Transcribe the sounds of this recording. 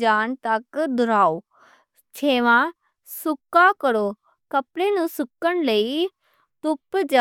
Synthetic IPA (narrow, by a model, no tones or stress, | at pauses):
d͡ʒaːnt̪ɐkd̪ʊɾaːo | t͡ʃʰeːʋã | sʊkːakəɾoː | kəpɽeːnũsʊkːənləi | t̪ʊpd͡ʒa